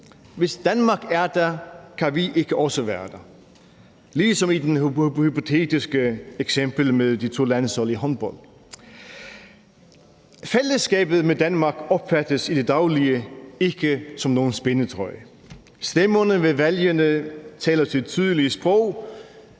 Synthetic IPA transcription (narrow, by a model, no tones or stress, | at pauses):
ʋe̝sd̥ænmɑ̈ɡ̥æɐd̥ækʰæʋiʔe̝ɡ̥əʔɒ̽səʋæːɐd̥æ | liːsɒ̽mid̥enhyhypo̝t͡sʰe̝̰ːd̥isɡ̥əeɡ̥semb̥l̩meðˠd̥it͡sʰo̝̰ːlænsɒliɦɒnb̥ɒl̰ | feləsɡ̥ɛ̰ːb̥ð̞̩ˠmed̥ænmɑ̈ɡ̥ɒ̽b̥fæd̥əsid̥e̝d̥ɑ̈ʊliəe̝ɡ̥əsɒ̽mno̝ːn̩sb̥enət͡sʰʁɒɪ̰ | sd̥emɐnəʋe̝ʋæljənət͡sʰɛːlɐt͡sʰe̝t͡sʰyð̞ˠəliəsb̥ʁɔʊ̰